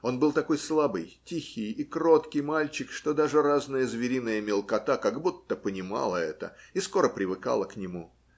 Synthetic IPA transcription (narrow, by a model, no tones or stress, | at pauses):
o̞nbɨlˠt̪ɐko̞jslˠabɨjtʲixʲɪjikɾo̞t̪kʲɪjmalʲt͡ɕɪkʂt̪o̞d̪aʐɨraznɨjəzvʲɪɾʲinɨjəmʲɪlˠkɐt̪akɐɡbut̪ːəpənʲɪma̰lˠəɛt̪ə̰isko̞ɾəpɾʲɪvɨka̰lˠəknʲɪmu